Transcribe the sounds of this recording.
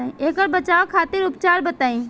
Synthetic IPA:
eːkəɾbət͡ʃaːokʰaːt̪ɪɾʊpt͡ʃaːɾbət̪aːĩː

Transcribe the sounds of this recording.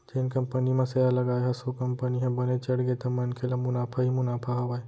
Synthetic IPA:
d͡ʒenkɐmpənimẽsɐjalɐɡaːeɦɐsokɐmpəniɦɐ̃bɐnet͡ʃɐɽɡet̪ɐmɐnkʰelamʊnaːpʰaɦimʊnaːpʰaɦɐʋaːe

